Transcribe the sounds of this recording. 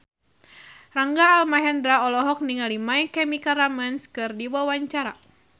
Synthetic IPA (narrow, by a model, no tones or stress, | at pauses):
raŋɡaːlmaɦɛndɾaɔlɔɦɔk̚niŋalimajkɛmikaɾamanskɨrdiwawaɲt͡ʃaɾa̰